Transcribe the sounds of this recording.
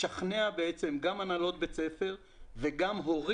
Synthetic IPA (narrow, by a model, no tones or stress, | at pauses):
aχneabeet͡se̞mɡamanalo̞t̪̚be̞t͡se̞fe̞ʁ | veɡamɦo̞ʁ